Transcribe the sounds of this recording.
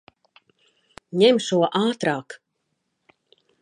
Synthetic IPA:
ɲɛmʃuɔʔaːt̪ɾaːk

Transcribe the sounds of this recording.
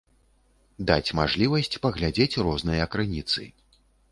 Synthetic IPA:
d̪at͡sʲmaʐlʲivɐsʲt͡sʲpɐɣlʲad͡zʲet͡sʲrɔznɨjɐkɾɨnʲit̪sɨ̰

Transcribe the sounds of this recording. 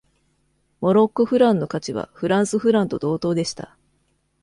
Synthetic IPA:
mo̞ɾo̞kːɯ̟ɸɯ̟ɾãnːo̞kat͡ɕiβa̰ɸɯ̟ɾãɰ̃sɨɸɯ̟ɾãnt̪o̞d̪o̞ːt̪o̞ːd̪e̞ɕi̥t̪a̰

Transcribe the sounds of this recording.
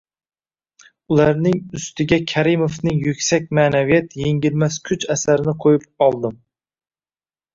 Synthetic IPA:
ulˠæɾnɪŋyst̪ʰɪɡʲɛkʲʰæɾimofnɪŋjykʲsɛk̚ʲmaːnavijɛt̪jeŋɡʲilmɛskʲʰyt͡ʃæsæɾɪnɪqʰojɪp̚ɑlˠd̪ɨm

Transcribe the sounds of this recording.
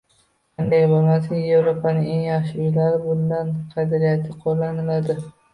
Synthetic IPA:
qand̪ajbolˠmasaje̞vɾopʰanɪŋeŋjɑχʃɪʊjlaɾɪbʊnd̪anqʰɑd̪aɾijat̪ʰɪqʰolˠːanɪlad̪ɪ

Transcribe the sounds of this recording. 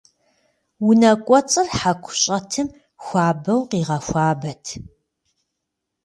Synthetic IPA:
wʊnɐkʷʼɔt͡sʼɨrħakʷʰʊɕʼɐtʰɨm | xʷaːbɐwqiːʁɐxʷaːbɐtʰ

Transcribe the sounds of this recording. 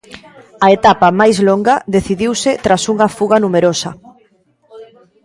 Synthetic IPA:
ɐet̪apɐmajzloŋɡɐðeθiðiwsɪt̪ɾasuŋɐfuɣɐnumeɾosɐ

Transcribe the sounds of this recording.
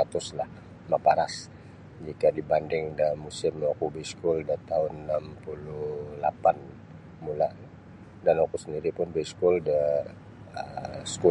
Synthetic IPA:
at̪ʊslah | mapaɾas | d͡ʒikadibandɪŋdamusɪmokubəskuldat̪aʊnːampululapan | mula | danokusəndiɾipʊnbəiskuldə | əsku

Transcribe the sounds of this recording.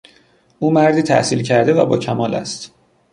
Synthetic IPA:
ʔuːmæɾd̪iːt̪ʰæ̰hsiːlcʰæɾd̪e̞væ̰bɒ̰ːcʰæmɒːlæ̰st̪

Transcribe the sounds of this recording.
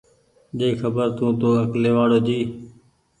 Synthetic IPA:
ɗeːxəbəɾt̪ũːt̪oːəkleːʋaːɽoːd͡ʒiː

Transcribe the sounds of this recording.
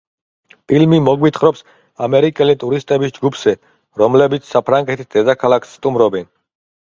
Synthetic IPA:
pʰilmimɔɡwit̪ʰχɾɔps | amɛɾikʼɛlit̪ʼuɾist̪ʼɛbisd͡ʒɡupʰz̥ɛ | ɾɔmlɛbit̪sʰsapʰɾaŋɡɛt̪ʰisd̪ɛd̪akʰalˠakʰsːt̪ʼumɾɔbɛn

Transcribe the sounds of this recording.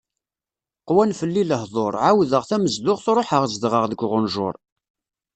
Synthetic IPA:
qwænfəlːiləhðˤoɾˤʕawðəʁθæməzd̪ʊʁθɾˤoħəʁzd̪ʁəʁðəɡʷʁʊnʒʊ̰ɾˤ

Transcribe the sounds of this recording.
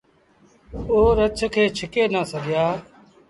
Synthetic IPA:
oːɾət͡ʃʰkʰeːt͡ʃʰɪkeːnaːsəɡjaː

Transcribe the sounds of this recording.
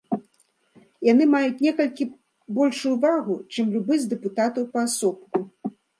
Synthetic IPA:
jan̪ɨmajut͡sʲnʲɛkɐlʲkʲi | bɔlʲʂujuvaɣut͡ʂɨmlʲubɨzʲd̪ɛput̪at̪ɐwpɐasɔp̚ku

